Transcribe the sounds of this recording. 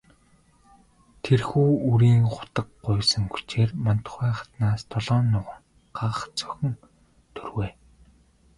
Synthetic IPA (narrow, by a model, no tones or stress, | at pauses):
t̪ʰerxuːuɾiːŋχʊ̥t̪ə̆kɢʊjsə̆ŋɡut͡ɕeːrmant̪ʰʊ̥χæːχḁt̪naːst̪ʰɔɮɔːnːʊʁə̆ŋ | ɢ̥aʁə̆χt͡sœ̥xʲɵ̆n | t̪ʰɵrweː